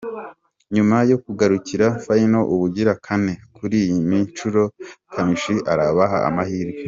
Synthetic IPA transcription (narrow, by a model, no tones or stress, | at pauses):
ɲumajo̞kuɡaɾuciɾafaino̞ʔuβuɟiɾakʰane̞kuɾiːjimint͡ʃuɾo̞kʰamiʃiʔaɾaβaɦaa̰mahiːɾɡe